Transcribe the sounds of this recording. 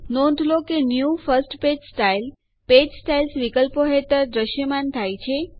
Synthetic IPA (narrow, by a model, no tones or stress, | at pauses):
nɔ̃nd̪ʱlokenjufəɾsʈped͡ʒsʈail | ped͡ʒsʈailsʋikəlpoɦet̪əɾd̪ɾəʃjəmant̪ʰajt͡ʃʰe